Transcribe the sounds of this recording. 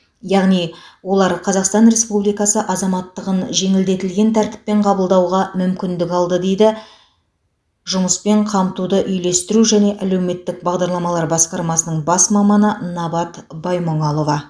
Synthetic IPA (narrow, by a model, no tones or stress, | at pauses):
jɑʁnijwo̞lˠɑɾqʰɑzɑqst̪ɑnɾe̞spublijkɑsəʔɑzɑmɑt̪ːəʁənʒe̞ŋɪld̪e̞t̪ɪlɡʲe̞nt̪ʰæɾt̪ɪ̥p̚ːe̞ɴqʰɑbəlˠd̪ɑwʁɑmʏmkʲɪnd̪ɪkɑlˠd̪əd̪e̞jd̪ɪ | ʒʊməspe̞ɴqʰɑmt̪ud̪əʔʏjle̞st̪ɪɾuʒæne̞ʔæle̞wme̞t̪ːɪk̚bɑʁd̪ɑɾlˠɑmɑlˠɑɾbɑsqɑɾmɑsənəɴbɑsmɑmɑnənɑbɑt̪bɑjmoɴɑlˠo̞vɑ